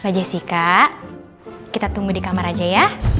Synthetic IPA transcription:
bad͡ʒasikaʔ | kit̪at̪uŋɡudikamaɾad͡ʒaja

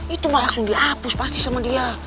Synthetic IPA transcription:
it̪umalasuŋɡiapuspast̪isamadia

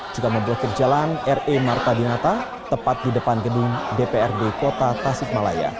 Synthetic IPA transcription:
d͡ʒukaməmbuakərd͡ʒalanɛremart̪adinat̪ah | t̪əpat̪̚didəpanɡədʊŋdepeɛrdekot̪at̪asɪk̚mala̰ja̰

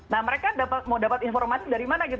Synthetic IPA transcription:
nahməɾekadapat̪̚mawdapat̪infɔrmasidaɾimanaɡit̪

